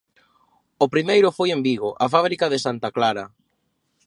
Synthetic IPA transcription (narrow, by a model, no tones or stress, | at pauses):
ʊpɾimejɾʊfojembiɣ̞ʊʔafaβ̞ɾikaðɪsant̪aklaɾa